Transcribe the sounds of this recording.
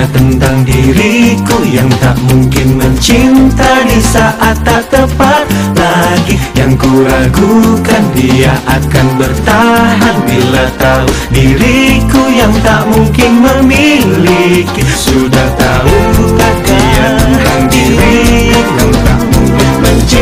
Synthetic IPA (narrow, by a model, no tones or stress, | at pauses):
t̪ənt̪aŋdiɾikujaŋt̪a̰ʔmuŋkɪnməɲt͡ʃint̪adisaʔat̪ːaəpat̪̚ | laɡijaŋkulaɡukandiaʔakanbərt̪aɦanbilat̪au | diɾikujaŋt̪aʔmuŋkɪnməmilikisudaht̪aukandajakandiɾijajaŋt̪a̰ʔmuŋkɪnməɲt͡ʃ